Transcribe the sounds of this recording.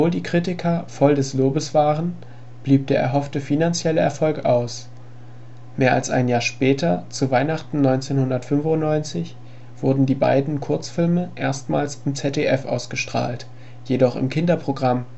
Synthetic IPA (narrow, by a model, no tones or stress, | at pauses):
ɔvoːldiːkʁ̥itɪkʰɐfɔldɛsloːbəsv̥aːʁən | b̥liːp̚d̥eːɐʔɛ̰ɐɦɔftəfinant͡sjɛləɛɐfɔlkaʊs | meːɐʔa̰lsʔa̰ɪnjaːɐʃpɛːtʰɐt͡suvaɪnaχtn̩nɔʏnt͡seːnhʊndɐtfʏnfʊntnɔʏnt͡sɪç | v̥ʊɐdn̩diːba̰ɪdn̩kʰʊɐt͡sfɪlməʔeːɐstma̰ːlsɪmt͡sɛtʰeʔɛfʔa̰ʊsɡ̥əʃtʁ̥a̰ːlt | jedɔχɪ̰mkʰɪndɐpʁ̥oɡʁam